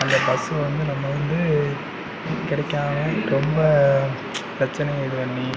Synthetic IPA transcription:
ɐnd̪ɐbɐsɯʋɐnd̪ɯnɐmːɐʋɐnd̪ɯ | kɪɽɛkːaːŋɐɾɔmbɐ | pɾɐt͡ʃːɐnɐjɐɽɯʋɐnːi

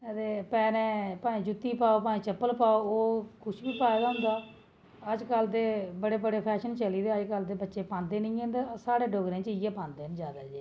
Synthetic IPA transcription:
əd̪eːpɛːnɛ̃ːpaːĩːd͡ʒʊt̪ːiːpaːoːpãːĩːt͡ʃəpːəlpaːoːoːkʰʊʃbiːpaːeːɡaːɦʊ̃nd̪aː | əd͡ʒkəld̪eːbəɽeːbəɽeːpʰɛːʃənt͡ʃəliːd̪eːəd͡ʒkəld̪eːbətːʃeːpãːnd̪eːnĩːẽːnd̪eːsaːɽeːɖoːɡɾẽːt͡ʃɪɛːpãːnd̪eːnd͡ʒjaːd̪aːd͡ʒeː

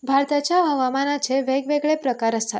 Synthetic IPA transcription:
bʱaɾt̪at͡ʃaɦəʋamanat͡ʃʰeʋeɡʋeɡɭepɾəkaɾəst̪ʰat̪

